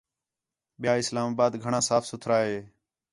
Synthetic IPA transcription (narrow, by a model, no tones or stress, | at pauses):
ɓɪjaːɪslaːmaːbaːd̪ɡʱəɳãːsaːfʰsʊt̪ʰɾaːɦeː